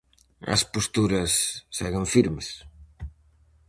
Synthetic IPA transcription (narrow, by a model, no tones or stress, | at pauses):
ɐ̰spost̪uɾɐsːɛɣeɱfiɾmes